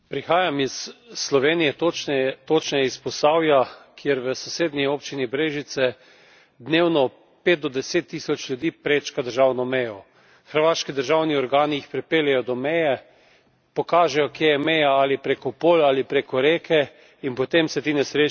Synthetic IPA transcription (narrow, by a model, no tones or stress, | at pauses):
pɾixaːjamisːlɔʋeːnijɛt̪ot̪ot͡ʃnɛjɛispɔst̪aːwjakʰjeɾʋəsoseːd̪nioːpt͡ʃinibɾeːʒit̪sɛ | d̪neːwnɔ | peːt̪̚d̪ɔd̪ɛseːt̪ːiːsɔt͡ʃlʲjud̪iːpɾeːt͡ʃkad̪əɾʒawnɔmɛjɔ | xəɾʋaːʃkid̪əɾʒawniɔɾɡaːniixpɾɛpeːljɛjɔd̪ɔmɛjɛ | pɔkaːʒɛjɔkjejɛmɛjaalipɾekɔpoːlaːlipɾekɔɾeːkʰɛ | inpɔt̪emsɛt̪inɛsɾe